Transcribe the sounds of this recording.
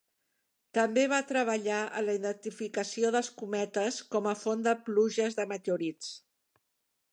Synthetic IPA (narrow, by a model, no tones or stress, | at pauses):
t̪əmbeβ̞at̪ɾəβ̞əʎaʔə̰ləiðənt̪ifikəsioðəlˠskumɛt̪əskɔməfond̪əpluʒəzðəmət̪euɾit͡s